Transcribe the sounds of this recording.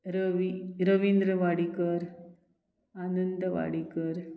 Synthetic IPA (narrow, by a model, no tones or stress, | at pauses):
ɾʋiɾɐʋind̪ɾɐʋaːɽikɐɾ | ɐnɐnd̪ɐʋa̰ːɽikɐɾ